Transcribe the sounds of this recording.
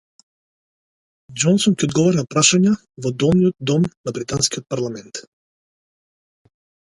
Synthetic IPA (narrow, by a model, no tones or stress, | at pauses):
d͡ʒɔnsɔnkʲɛod̪ɡɔvɔɾnapɾaʃaɲa | vɔd̪ɔlˠnijɔt̪̚d̪ɔmnabɾit̪anskiot̪̚paɾlˠamɛnt̪